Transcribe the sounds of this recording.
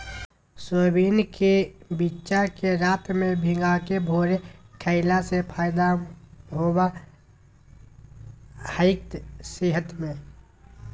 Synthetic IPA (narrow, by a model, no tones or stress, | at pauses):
sobiːnkebitːʃakeɾaːt̪mẽbʱɪŋɡakebʱoːɾekʰəɪlasepʰaːɪd̪aɦoba | həɪk̚t̪seɦət̪mẽ